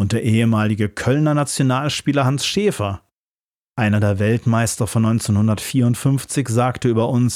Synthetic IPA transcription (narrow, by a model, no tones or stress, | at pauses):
ʊnt̚d̥eːɐʔeːəmaːlɪɡəkʰœlnɐnat͡sjonaːlʃpiːlɐhansʃeːfɐ | ʔaɪnɐdeːɐvɛltmaɪstɐfɔnːɔʏnt͡senhʊndɐtfiːɐʊntfʏnft͡sɪçz̥aːktəyːbɐʔʊns